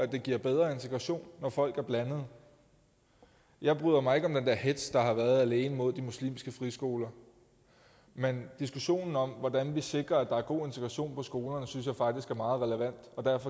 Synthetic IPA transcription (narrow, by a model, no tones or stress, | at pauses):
æd̥e̝ɡ̥iɐ̰b̥eð̞ˠʁɐe̝nt͡sʰe̝ɡ̥ʁɑ̈ɕo̝̰ːnːɒfɒ̽l̰ɡ̥æɐb̥lænəð̞̩ˠ | jɑ̈ɪb̥ʁy̰ːðˠɐmɑ̈ɪe̝ɡ̥ɒ̽md̥end̥æɐ̰ɦed̥sd̥ɑ̈hɑ̈ʋæːɐð̩ˠæle̝ːnəmo̝ð̞̰ˠd̥imuslḭːmsɡ̥əfʁisɡ̥o̝ːlɐ | mend̥isɡ̥uɕo̝̰ːnn̩ɒ̽mʋɒd̥ænʋise̝ɡ̥ʁɐæd̥ɑ̈æɐɡ̥o̝̰ːe̝nt͡sʰeɡ̥ʁɑ̈ɕo̝̰ːnpʰɒ̽sɡ̥o̝ːlɐnəsyns̬jɑ̈ɪfɑ̈ɡ̥d̥isɡ̥æɐmɑ̈ːð̩ˠʁɛləʋæn̰d̥ɒ̽d̥æɐfɒ̽